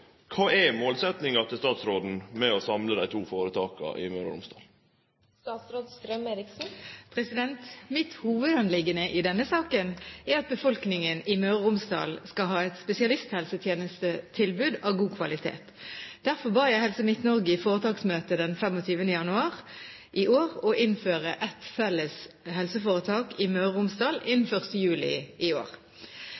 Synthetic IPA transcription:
kʰɑːʔæmoːlsɛt̪nɪŋɑt̪ɪlst̪ɑːt̪sɾoːd̪n̩mɛɔsɑmləd̪æɪt̪ʰuːfoːɾət̪ʰɑːkɑ̰ʔɪ̰mœɾə̰ɾʊ̰msd̪ɑ̰ːl | st̪ɑːt̪sɾoːd̪st̪ɾœmeːɾɪksn̩pʰʁɛsɪd̪ɛnt̪mɪt̪huːʋəd̪ɑnlɪɡənəʔɪd̪ɛnːəsɑːkənæɾɑt̪̚bəfɔlknɪŋənɪmœːɾəʁʊmsd̪ɑ̰ːlskɑɦɑːɛt̪spɛsɪɑlɪst̪hɛlsət̪ʰjeːnəst̪ət̪ʰɪlbʉːd̪ɑʋɡuːkʰʋɑlɪt̪ʰḛːt̪d̪̥æʁfɔbɑːʁjæɪhɛlsəmɪt̪nɔʁɡɪfoːʁət̪ʰɑːksmøːt̪əd̪ɛnfɛmɔt̪ʰyːʋənd̪əjɑnʉɑːʁ | ʔɪʔoːʁɔʔɪnføːʁəʔɛt̪fɛlːəs | hɛlsəfoːʁət̪ʰɑːkɪmœʁəʊmsd̪ɑːlɪnn̩fœʁst̪əjʉːlɪ̰ʔɪo̰ːʁ

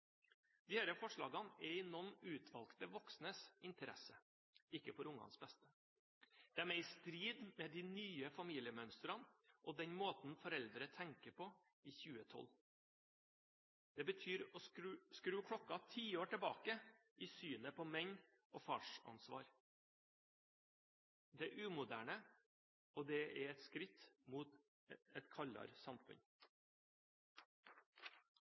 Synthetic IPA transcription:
d̪̥ɪhæɾəfɔʂɭɑ̰ːɡɑnɛɪnɔnʉːt̪ʰʋɑlkt̪əʋɔksnəsɪnt̪əɾɛ̰sə | ɪkːəfɔɾʊŋːɑ̰nsbɛst̪ə | d̪̥ɛæmɛɪst̪ɾiːd̪mɛd̪ɪːnyːəfɑmiːlɪəmœnst̪ɾɑnʔɔd̪ɛɲmoːt̪n̩fɔɾɛld̪ɾət̪ʰɛŋkəpʰɔ | iːçʉːət̪ʰɔ̰l | d̪̥ɛːbət̪ʰyːɾoːskɾʉːkʰɽɔkɑt̪ʰiːoːʈɛbɑ̰ːkə | iːsyːnəpʰoːmɛɲ | ʔoːfɑːʂɑ̰nsʋɑ̰ːɾ | d̪ɛʔʉːmʊd̪æ̰ːɳə | ʔoːd̪ɛɛɛt̪skɾɪt̪muːt̪ | ɛt̪kʰɑʎɑ̰ɾsɑmfʉ̰ɲ

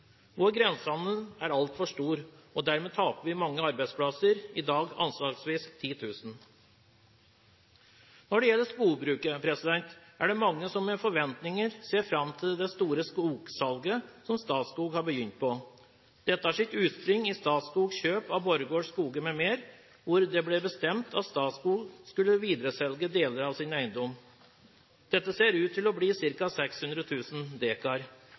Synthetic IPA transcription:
ʋɔɾɡɾɛnsɑnd̪ənæɾɑlt̪fɔʂʈuːɾɔd̪æɾmeːt̪ʰɑːpəʋɪmɑŋːəɑɾbæɪd̪spʰlɑsəɾɪd̪ɑːɡɑ̰nslɑːksʋiːst̪ʰiːt̪ʰʉːsn̩ | nɔɖɛjɛlːəʂkuːbɾʉːkəpʰɾɛsɪd̪ɛnt̪æɖɛmɑŋːəsɔmːɛfɔɾʋɛnt̪nɪŋəɾseːɾfɾɑmt̪ʰɪld̪ɛst̪uːɾəskuːksɑlɡəsɔmst̪ɑːt̪skuːɡhɑɾbəjʏnt̪̚pʰɔ | d̪̥ɛt̪ːəhɑʂɪt̪ʉːt̪spɾʏŋːɪst̪ɑːt̪skuːɡɕøːpɑʋbɔɾɡoːskuːɡəmɛmeːɾ | ʋʊɾd̪ɛblɛbəst̪ɛmt̪ʰɑt̪st̪ɑːt̪skuːɡskʉlːəʋiːd̪ɾəsɛlɡəd̪eːləɾɑʋsɪnæɪənd̪ɔm | d̪̥ɛt̪ːəseːɾʉːt̪ʰːɪlɔbliːsɪɾkɑsɛkshʉnd̪ɾət̪ʰʉːsn̩d̪eːkɑɾ

